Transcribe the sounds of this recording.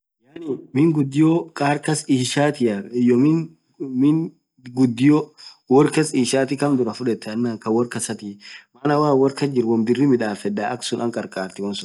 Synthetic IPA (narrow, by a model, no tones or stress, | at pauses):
jaːnɪmɪŋɡʊd̪ːɪjokʼaːɾkɐsiːʃaːt̪ɪjɐɪjɔmɪn | mɪn | ɡʊd̪ːɪjɔ | wɔɾkɐsiːʃaːt̪ɪkɐmd̪ʊɾɐfʊᶑɛt̪ːɛɐnːakɐwɔɾkɐsɐt̪iːmaːnɐwaːwɐɾkɐd͡ʒɪɾwɔmb̪ɪrːɪmɪᶑaːfɛdaʔɐksʊnʔɐŋkʼɐɾkʼaːɾt̪ɪwɐnsʊn